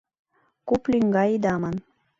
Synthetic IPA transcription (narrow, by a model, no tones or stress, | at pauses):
kuplʲyŋɡɑid̪ɑmɤn